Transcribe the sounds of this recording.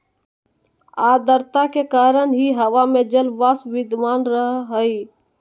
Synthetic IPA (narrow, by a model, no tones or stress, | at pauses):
ad̪əɾt̪akekaːɾənɦiɦəʋamẽd͡ʒəlbasbid̪maːnɾəɦɦəi